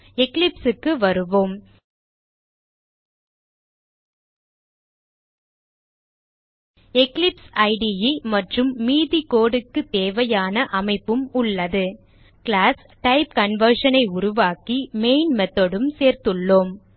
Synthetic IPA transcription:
ɛklɪpsɯkːɯʋɐɾɯʋoːm | ɛklɪpsɐɪɖijimɐʈrɯmːiːðikoːɽɯkːɯt̪ːeːʋɐjaːnɐʔɐmɐɪpːɯmʊɭːɐðɯ | kɭaːs | ʈɐɪp̚kɐnʋɐɾʂɐnɐɪʊɾʊʋaːkimeɪnmɛt̪ːoɽɯmseːɾt̪ɯɭːoːm

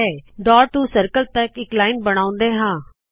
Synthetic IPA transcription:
ɛːɖ̪ɔːɾʈ̪uːsəɾkəlt̪əkɪklaːɪnbəɽ̃ãːʊ̃nd̪eːɦãː

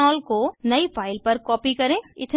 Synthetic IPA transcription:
ɔːlkonɐipʰaːɪlpɐɾkɔːpikɐɾẽːɪt̪ʰ

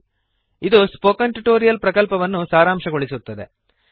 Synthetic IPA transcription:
id̪uspoːkɐɳʈuʈoːɾijɐlpɾɐkɐlpɐʋɐnːusaːɾaːmʂɐɡoɭisut̪ːɐd̪e̞̰

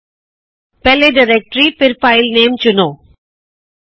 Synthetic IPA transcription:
pɛleɖɪɾɛk̚ʈɾipɪɾfaɪlneːmt͡ʃʊnoː

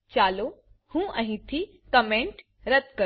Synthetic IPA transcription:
t͡ʃaːlo | hũːʔɐ̃ɦĩt̪ʰi | kɐmẽɳʈ | ɾɐt̪kɐ

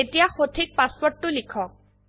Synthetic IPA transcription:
etijaxotʰik̚paspɔʈːʊlikʰɔk̚

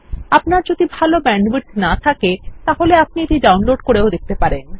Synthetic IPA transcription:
apnaɾd͡ʑod̪ʱibʱalobɛɳɖwiʈnat̪ʰaket̪aɦoleap̚nieʈiɖawnloɖkoɾeod̪ek̚t̪epaɾen

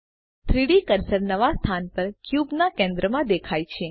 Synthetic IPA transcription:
t̪ʰɾiɽikəɾsəɾnəʋast̪ʰanpəɾkjubnakẽnd̪ɾəmãd̪ekʰajt͡ʃʰe

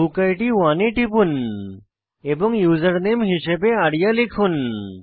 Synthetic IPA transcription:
ukajʈiʋaneʈipun | ebɔŋjuzəɾnemɦisebeaɽijalikʰun

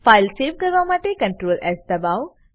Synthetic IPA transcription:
faːɪlseːʋkɐɾʋamaːʈekɐ̃ɳʈɾoːlʔɛsd̪ɐbaːʋ

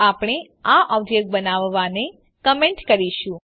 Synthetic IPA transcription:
apɽ̃e | aʔɔbd͡ʒek̚bənaʋːane | kəmeɳʈkəɾiʃũ

